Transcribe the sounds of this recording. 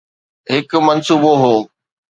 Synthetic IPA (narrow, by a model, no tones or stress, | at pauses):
ɦɪkmɐnsuːboɦoː